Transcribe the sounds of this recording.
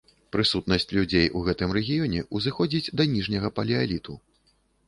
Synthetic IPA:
pɾɨsut̪nɐsʲt͡sʲlʲud͡zʲejʔuɣɛt̪ɨmrɛɣʲijɔnʲɛʔuzɨxɔd͡zʲid͡zʲd̪ɐnʲiʐnʲɐɣɐpɐlʲialʲit̪u

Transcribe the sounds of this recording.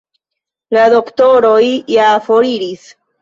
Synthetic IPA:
lado̞ktoɾo̞jjafoɾiɾis

